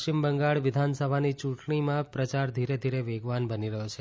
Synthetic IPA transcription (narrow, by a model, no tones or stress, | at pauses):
t͡ʃimbəŋɡaɭʋɪd̪ʱansəbʱanit͡ʃũʈɳimãpɾət͡ʃaɾd̪ʱiɾed̪ʱiɾeʋeɡʋanbəniɾəɦjot͡ʃʰe